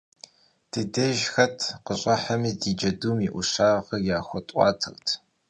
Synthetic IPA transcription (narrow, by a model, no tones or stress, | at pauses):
d̥ɨdɐʒxɐtʰqəɕʼɐħamidiːd͡ʒɐduːmiːʔʷʊɕaːʁɐjaːxʷɔtʼɑ̰ːtʰɨ̰rtʰ